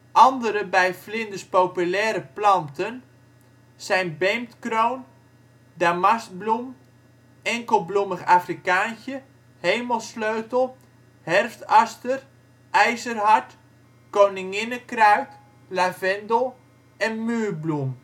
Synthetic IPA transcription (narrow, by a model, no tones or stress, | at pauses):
ʔɑndəɾəbɛjflɪndəspowpylɛːɾəplɑntən | sɛjnbejmtkrown | damas̚blum | ɛŋkəlˠbluməχaːfrikaːnçə | hejməlˠsløɥtəlˠ | hɛrftɑstər | ʔɛjzərhɑt | kownɪŋɪnəkrœɥt | lavɛndəlˠ | ɛnmyːrblum